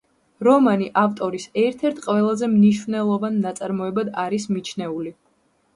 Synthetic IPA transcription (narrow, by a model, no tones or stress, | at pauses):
ɾɔmaniʔaft̪ʼɔɾisɛɾt̪ʰɛɾt̪ʰqʼwɛlˠazɛmniʃvnɛlˠɔvanːat̪sʼaɾmɔɛbad̪aɾismit͡ʃʰnɛuli